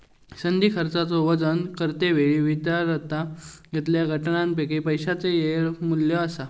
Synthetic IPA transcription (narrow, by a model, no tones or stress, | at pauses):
sənd̪iːkʰəɾt͡sat͡sɔʋəd͡zənkəɾt̪eʋeɭiʋid̪jaɾət̪ajet̪ljaɡʱəʈɳãnpekipəjɕat͡sejeɭmuljəəsa